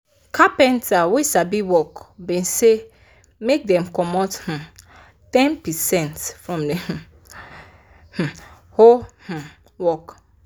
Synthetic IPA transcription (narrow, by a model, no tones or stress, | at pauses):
kapɛ̃ntʰawesabiwɔkbɛ̃nse | mek̚dɛ̃mkɔmɔth̩ | tɛ̃npɛsɛ̃ntfɹɔ̃mdɛ̃h | h̩ | hoh̩ | wɔk